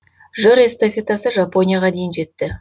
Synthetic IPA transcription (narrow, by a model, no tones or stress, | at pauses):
ʒəɾest̪afʲet̪asəʒapo̞nʲijaʁɑd̪e̞jɪnʒe̞t̪ːɪ